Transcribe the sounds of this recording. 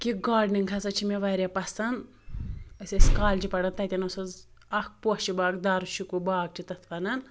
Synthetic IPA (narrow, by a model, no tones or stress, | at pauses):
kiɡaːɖniŋkʰɐsɐt͡ʃʰimeʋɐɾʲjapɐsɐn | ɐsʲɐsʲkaːld͡ʒipɐɽɐnt̪ɐt̪ʲɐnɐsoz | ɐk̚ʰpot͡ʃibaːɡd̪aːɾuʃikubaːɡ̚t͡ʃʰit̪ɐt̪ʰpɐnɐn